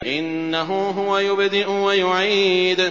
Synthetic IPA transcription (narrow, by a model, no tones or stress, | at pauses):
ʔɪnːaɦʊɦʊwajʊbd̪ɪʔʊwajʊʕiːd̪